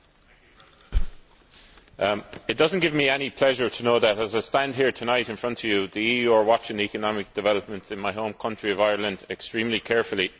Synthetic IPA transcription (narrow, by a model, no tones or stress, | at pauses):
ɪt̚d̥ʌzə̃nɡ̥ɪvmiɛnipʰl̥ɛʒə˞tʰənoʊðəɾəzaɪstãnd̥̚ɦiːɹtʰənaɪɾɪ̃nfɹʌ̃ntʰəvjəðiijuə˞wɑt͡ʃɪ̃ŋikənɑmɪk̚d̥ɨvɛləp̚mə̃ntsɪ̃nmaɪɦõʊ̃mkʰʌ̃nt͡ʃɹ̥iəvaɪə˞lə̃ndɛkstɹ̥ĩːmlikʰɛɹfəli